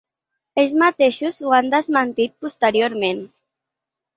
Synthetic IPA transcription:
eʎzmat̪eʃuzuand̪əzmənt̪it̪̚pust̪əɾjoɾmẽn

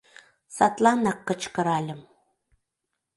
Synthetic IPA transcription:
sɑt̪lˠɑnɑkːə̆t͡ɕkɤ̆ɾɑlʲə̆m

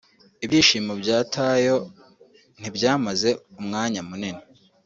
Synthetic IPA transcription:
ibiːʃiːmobjaːtʰaːjo̞ | n̥ibjaːmaze̞umŋaːɲamunene

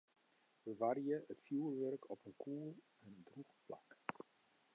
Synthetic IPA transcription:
ʋəʋariəətfjuːlʋœrkɔpənkʰuːlˠ | ɛndruχpla̰k

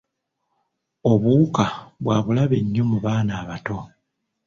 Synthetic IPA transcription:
o̞βukaβwaːβulaβeɲːo̞muβaːnaːβato̞

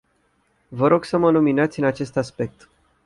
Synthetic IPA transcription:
vəɾo̞ɡsəməluminat̪sʲɨnat͡ʃe̞st̪aspe̞k̚t̪

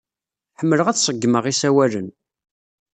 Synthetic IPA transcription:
ħəmːələʁæθsˤəɡːməʁisæwælən

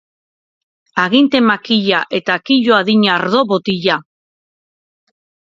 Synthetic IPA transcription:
aɣint̪e̞makiʎaʔe̞t̪akiʎoaðiɲaɾðo̞βot̪iʎa

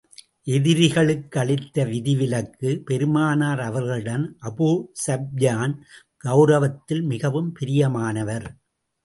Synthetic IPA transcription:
ʔɛðɪɾɪɣɐɭɯkːɐɭɪt̪ːɐʋɪðɪʋɪlɐkːɯpɛɾɯmaːnaːɾɐʋɐɾɣɐɭɯɽɐnʔɐbuːsɐb̚jaːn | ɡ̥ɐʊɾɐʋɐt̪ːɪlmɪɣɐʋɯmpɪɾɪjɐmaːnɐʋɐɾ

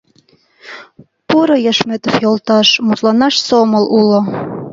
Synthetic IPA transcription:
puɾojə̆ʃmet̪ofjolˠt̪ɑʃmut̪lɑnɑʃsomə̆lʔulŏ

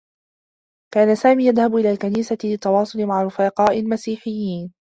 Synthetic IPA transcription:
kaːnasaːmiːjaðhabʔɪlaːlkaniːsalɪt̪ːɑwɑːsˤʊlɪmaʕarɾʊfaːqɑːʔɪlmasiːħɪjːiːn

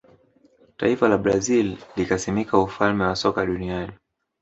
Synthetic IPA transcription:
ta̰ifalaɓɾazillikasimikaufalmɛwasɔkaɗuniani

